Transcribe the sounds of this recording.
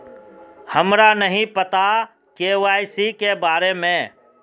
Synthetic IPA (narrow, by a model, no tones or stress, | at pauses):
həmɾanəɦĩpət̪a | keːʋaːisikebaːɾemẽː